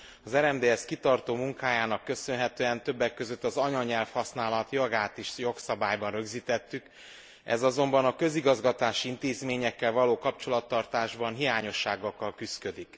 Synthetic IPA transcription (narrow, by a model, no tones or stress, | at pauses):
ɒzɛɾɛmd̪eːɛskit̪ɒrt̪oːmuŋkaːjaːnɒkːø̞sø̞nɦɛt̪øːɛnt̪ø̞bːɛkːø̞zø̞t̪ːɒzɒɲɒɲɛlfhɒsn̪aːlɒt̪jɒɡaːt̪iʃjo̞ksɒbaːjbɒnrø̞ɡziːt̪ɛt̪ːyk | ɛ̰zɒzo̞mbɒnɒkø̞ziɡɒzɡɒt̪aːʃiint̪eːzmeːɲɛkːɛlvɒloːkɒpt͡ʃo̞lɒt̪ːɒrt̪aːʒbɒnɦijaːɲo̞ʃːaːɡɒkːɒlkyskø̞d̪ik